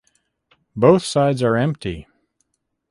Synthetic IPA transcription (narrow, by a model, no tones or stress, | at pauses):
boʊθsaɪdzə˞ɛ̃mp̚tʰḭ